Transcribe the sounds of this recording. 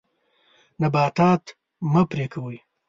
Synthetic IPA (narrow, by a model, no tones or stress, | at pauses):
nɐbɑːt̪aːt̪ | mɐpɾekʰɐwuj